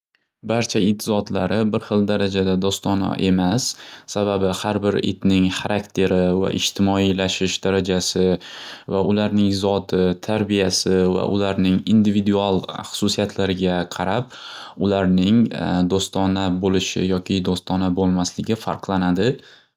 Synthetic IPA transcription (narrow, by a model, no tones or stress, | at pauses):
baɾt͡ʃʰaɪt̪zɒt̪laɾɪbɪɾχɨlˠd̪aɾad͡ʒad̪ad̪ɒst̪ɒna̰ʔe̞masːababɪhaɾbɪɾɪ̰t̪nɪŋχaɾʔakt̪ʰe̞ɾɪva̰ʔɪ̰ʃt̪ʰɪmɒilaʃɪʃd̪aɾad͡ʒasɪvaʊlaɾnɪŋzɒt̪ʰɪt̪ʰaɾbijasɪva̰ʔʊ̰laɾnɪŋind̪ɪvid̪ualˠχʊ̥sʊsijat̪ʰlaɾɪɡʲaqʰɑɾap̚ | ʊlaɾnɪŋd̪ost̪ʰɒnabolɪʃɪ̰jɒkʲʰɪd̪ost̪ɒnabolˠmaslɪɡʲɪfa̰ɾqlˠanad̪ɪ